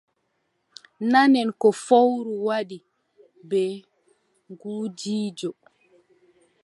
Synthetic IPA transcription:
nanɛnkɔfowɾuwaɗi | bɛ | ŋɡuːd͡ʒiːd͡ʒɔ

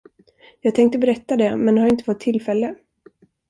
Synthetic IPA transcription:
jɑːɡ̚t̪ʰɛŋk̚t̪əbɛɾɛt̪ːad̪ɛmɛnd̪haɾɪnt̪ə̥fɔt̪ʰːɪlfɛlːə

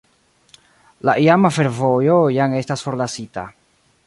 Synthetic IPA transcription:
laʔiamafe̞ɾvo̞jo̞jaŋe̞stasfo̞ɾlasita̰

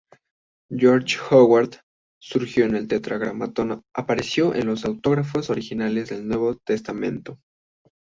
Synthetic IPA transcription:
d͡ʒoɾt͡ʃxoɣwaɾd̪ | suɾxjo̞ene̞lt̪et̪ɾaɣɾamat̪onaapaɾe̞sjo̞ʔe̞̰nlo̞sawt̪o̞ɣɾafo̞so̞ɾixinale̞zðe̞lnwe̞βo̞t̪e̞st̪amẽ̞̰nt̪o̞

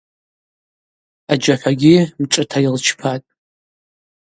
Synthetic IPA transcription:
ad͡ʒaħʷaɡʲimʈ͡ʂʼɨtʰajɪlt͡ʃʰpʰatʼ

